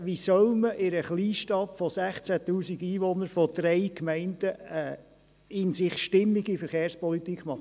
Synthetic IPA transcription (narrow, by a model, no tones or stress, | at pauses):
ʋisœlməʔɪɾəχliːʃtɑpfɔsæχt͡sæt̪uːsiɡiːʋɔnəɾfɔd̥̪ɾɛɪkmɛɪnd̥ə | ɪnsɪχʃtɪmːiɡifəɾχeːɾspɔlit̪ikʰmɑχ